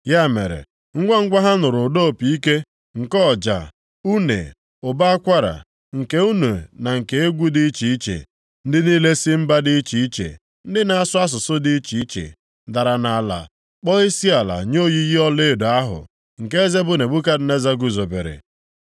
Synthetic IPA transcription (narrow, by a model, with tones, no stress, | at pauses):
ja˦˨me˨ɾḛ˨ | ŋ̩˦ɡʷa˦ŋ̩˦ɡʷa˦ɦa˦nʊ˨ɾʊ˨do˦˨pi˨i˦ke˦ | ŋ̩˨kɔ˦˨d͡ʒa̰˨ | u˦nḛ˨ | ʊ˨ba˦a˦kʷa˦ɾa̰˨ | ŋ̩˨ke˦u˦nu˨na˨ŋ̩˨ke˨e˦ɡʷu˦di˦t͡ʃi˦i˦t͡ʃḛ˨ | n̩˦dɪ˦niː˦le˦si˦m̩˦ba˦dɪ˦t͡ʃi˨i˦t͡ʃḛ˨ | n̩˦dɪ˦na˨a˦sʊ˦a˦s̬ʊ˨sʊ˦di˦i˦t͡ʃi˨i˦t͡ʃḛ˨ | da˨ɾa˨na˨la̰˨ | k͡pɔ˦i˦si˦a˨la̰˨ɲo˦˨ji˦ɣi˦ɔ˦le˦˨do˨a˦ɦʊ̰˨ | ŋ̩˨ke˦e˦ze˦bʊ˦ne˨ɡ͡bu˦ka˦dʊ˨ne˦za˦ɡu˨zo˨bḛ˨ɾḛ˨